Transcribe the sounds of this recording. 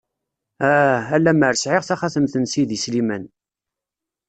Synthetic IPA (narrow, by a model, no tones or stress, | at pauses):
æælːæməɾsʕɪʁθæχaθəmθənsiðislimən